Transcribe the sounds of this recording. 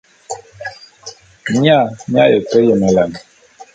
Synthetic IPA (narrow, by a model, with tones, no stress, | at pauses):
mi˦a˦˨mja˦jə˨tə˦jə˨mə˨la˨n˨